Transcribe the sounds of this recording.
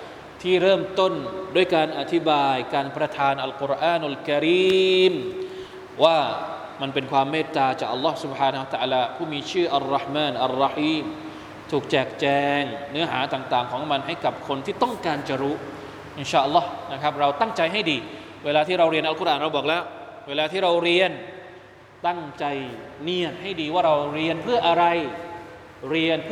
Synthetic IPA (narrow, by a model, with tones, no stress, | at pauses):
t̪ʰiː˥˩ɾɤː˥˩mt̪o˥˩ndu˥˩əjkaː˧nʔa˨˩t̪ʰi˦˥baː˧jkaː˧npɾa˧t̪ʰaː˧nʔa˧lku˧˥ɾʔaː˧˩nʔa˨lka˧ɾiː˧m | waː˥˩ | ma˧npe˧nkʰwaː˧mːeː˥˩t̪ːaː˧t͡ɕaː˨˩k̚ʔa˧lːɔː˦˥hsu˨˩b̚haː˧n˧a˧t̪a˧ʔaː˧laː˧pʰuː˥˩miː˧t͡ɕʰɯː˥˩ʔa˨˩rːɑ˧˦hmaː˧˩nʔa˧rːɑ˧ħiː˧m | t̪ʰuː˨˩k̚t͡ɕɛː˨˩k̚t͡ɕɛː˧ŋnɯ˦˥ɐɦaː˩˦t̪aː˨˩ŋt̪aː˨˩ŋkʰɔː˩˦ŋma˧nɦa˥˩jka˨˩p̚kʰo˧nt̪ʰiː˥˩t̪ɔ˥˩ŋkaː˧nt͡ɕa˧˩ɾu˦˥ | ʔi˧˩nɕaː˧˩ʔa˧lːɔ˦˥hna˦˥kʰa˦˥p̚ɾa˧wt̪a˥˩ŋt͡ɕa˧jɦa˥˩jdiː˧ | weː˧laː˧t̪ʰiː˥˩ɾa˧wɾi˧ənʔa˧˦ku˥ɾʔaː˨˩nɾa˧wbɔː˨˩k̚lɛː˦˥wweː˧laː˧t̪ʰiː˥˩ɾa˧wɾi˧ən | t̪a˥˩ŋt͡ɕa˧jni˦˥˩ət̪̚ha˥˩jdiː˧waː˥˩ɾa˧wɾi˧ənpʰɯ˥˩ɐʔa˧ɾa˧j | ɾi˧ən